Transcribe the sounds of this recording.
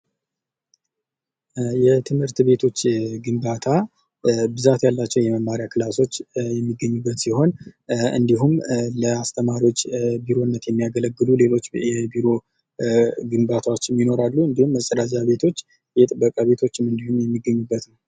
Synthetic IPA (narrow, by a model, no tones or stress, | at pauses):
jɛt̪ʰɨmhɨɾt̪be̞t̪ʰo̞t͡ʃːɡɨmbat̪ʰa | bɨzat̪jalːat͡ʃːɛwjɛməmːaɾijakʰɨlaso̞t͡ʃːjɛmːiɡːəɲːubːət̪siho̞nɨ̰nd̪iɦumləast̪ʰəmaɾiwo̞t͡ʃːbiɾo̞nːət̪jɛmːijaɡələɡːɨlule̞lo̞t͡ʃːjɛbiɾo̞ | ɡɨmbat̪ʰawot͡ʃːɪnjino̞ɾalːuɨnd̪ihumːəsʼəɾazaβe̞t̪ʰo̞t͡ʃː | jɛt̪ʼɨbːəkʼaβe̞t̪ʰo̞t͡ʃːɪmːɨnd̪ihumjɛmːiɡːəɲːubːət̪nəw